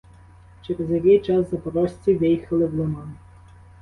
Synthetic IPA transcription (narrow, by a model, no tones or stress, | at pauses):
t͡ʃeɾezjɐkɪjt͡ʃɑszɐpɔɾɔsʲt͡sʲiʋɪjxɐlˠɪwlˠɔmɑn